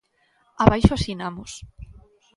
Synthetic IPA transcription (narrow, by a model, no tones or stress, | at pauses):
aβajʃoasinamos